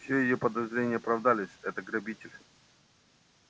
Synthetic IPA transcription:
fsʲojɪjopəd̪ɐzɾʲenʲɪjəpɾɐvd̪alʲɪsʲɛt̪əɡɾɐbʲitʲɪlʲ

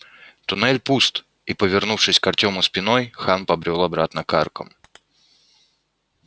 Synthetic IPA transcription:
t̪ʊnɛlʲpust̪ | ipəvʲɪrnufʂɨsʲkɐrtʲo̞mʊspʲɪno̞jxanpɐbɾʲo̞lˠɐbɾat̪nəkarkə̰m

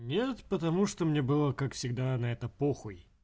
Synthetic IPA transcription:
nʲet̪pət̪ɐmuʂt̪omnʲebɨlˠəkakfsʲɪɡd̪anɐɛt̪əpoxʊj

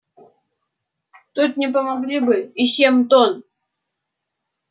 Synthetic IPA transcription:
t̪ut̪̚nʲɪpəmɐɡlʲibɨɪsʲemt̪on

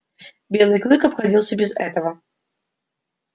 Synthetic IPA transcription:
bʲelˠɨjklˠɨkɐpxadʲilˠsʲɐbʲɪzɛ̰t̪əvɐ

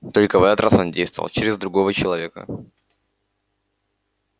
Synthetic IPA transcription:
t̪o̞lʲkəvɛt̪ət̪rʔa̰so̞ndʲejst̪vəv̰lˠt͡ɕɪɾʲɪzd̪ɾʊɡo̞vət͡ɕɪlˠɐvʲe̞kə̰

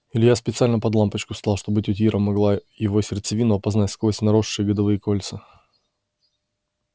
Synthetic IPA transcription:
ɪlʲjaspʲɪt̪sɨalʲnəpɐd̪lˠampət͡ɕkʊst̪alˠʂt̪o̞bɨtʲʊtʲiɾʔəmːɐɡlˠajɪvo̞sʲɪrt̪sɨvʲinʊɐpɐznatʲskosʲnɐɾo̞ʂːɨjəɡəd̪ɐvɨjəkolʲt̪sɨ

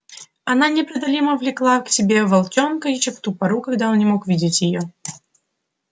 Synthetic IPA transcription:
ɐnanʲɪpɾɐd̪ɐlʲiməvlʲɪklˠaksʲɪbʲe̞vɐlˠtʲo̞nkəɪt͡ɕɪpt̪upɐɾukɐɡd̪aonnʲɪmo̞kvʲidʲɪtʲjɪjo

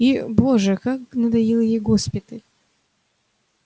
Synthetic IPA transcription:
iboʐɨkaknəd̪ɐjilˠjejɡospʲɪt̪əlʲ

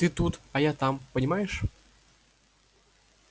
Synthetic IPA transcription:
t̪ɨt̪ut̪ɐjat̪ampənʲɪmajɪʂ

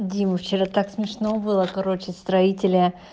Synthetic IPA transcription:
dʲimft͡ɕɪɾat̪aksmʲɪʂno̞bɨlˠəkɐɾo̞t͡ɕɪst̪ɾɐitʲɪlʲə

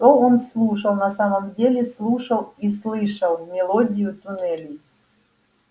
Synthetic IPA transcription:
t̪oonslˠuʂəlˠnɐsaməmdʲelʲɪslˠuʂəlˠislˠɨʂəlˠmʲɪlˠodʲɪjʊt̪ʊnɛlʲɪ

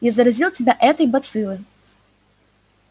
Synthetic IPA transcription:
jazɐɾazʲilˠtʲɪbʲaʔɛt̪ɐjbɐt̪sɨlˠɨ

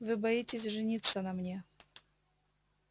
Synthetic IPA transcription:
vɨbɐjitʲɪsʲʐɨnʲit̪sənɐmnʲe

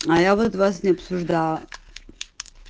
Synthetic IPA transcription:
ajavɔt̪vasnɛapsuʒd̪a

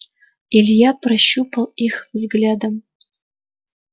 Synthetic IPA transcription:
ilʲjapʰrɐʃupʰɐlixvzɡlʲad̪ɐm

